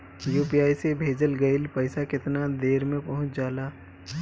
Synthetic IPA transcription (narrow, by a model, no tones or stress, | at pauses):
juːpiaːisebʱeːd͡ʒəlɡɐɪlpɐɪsakɪt̪nad̪eːɾmẽpɐɦʊ̃t͡ʃd͡ʒaːlaː